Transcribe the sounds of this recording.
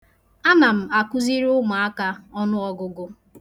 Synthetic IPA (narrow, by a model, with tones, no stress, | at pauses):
a˦na˨m̩˨a˨kʊ˦zi˦ɾʊ˦ma˨a˦ka˦ɔ˦nʊ˦ɔ˦ɡʊ˨ɡʊ˦